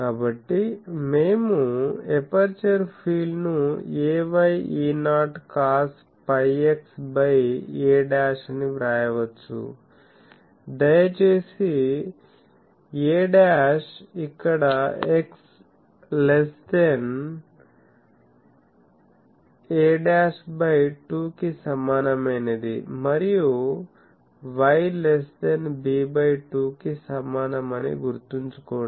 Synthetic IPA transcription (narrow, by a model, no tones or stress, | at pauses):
kaːbɐʈːime̞ːmuepɐɾt͡ʃɐɾpʰiːlnueːʋɐjiːnaːʈkaːs | pɐjeksbɐjeːɖaːʂniʋɾaːjɐʋɐt͡ʃːṵ | d̪ɐjɐt͡ʃeːsi | eːɖaːʂikːɐɽɐeks | lest̪en | eːɖaːsbɐjʈuːkisɐmːaːnɐmeːned̪ḭmɐɾiju | ʋɐjlest̪enbibɐjʈuːkisɐmːaːnɐmɐnḭɡuɾut̪unt͡ʃu̥koː